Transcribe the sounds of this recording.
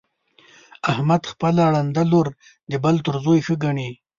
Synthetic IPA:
ahmad̪xpəlaɽand̪aloɾ | d̪əbalt̪əɾzojxəɡaɳi

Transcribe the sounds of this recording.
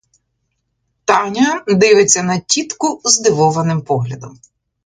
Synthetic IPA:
t̪ɑnʲɐd̪ɪʋɪt͡sʲːɐnɐtʲit̪kʊzd̪ɪʋɔʋɐnɪmpɔɦlʲɐd̪ɔm

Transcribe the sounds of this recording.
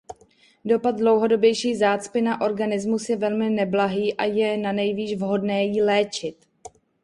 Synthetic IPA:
do̞pad̪̚dlo̞wɦo̞do̞bjɛjʃiːzaːt͡spɪnaʔo̞ɾɡanɪzmusjɛvɛlmɪnɛblaɦiːʔajɛnanɛjviːʒvɦo̞dnɛːjilɛːt͡ʃɪt̪

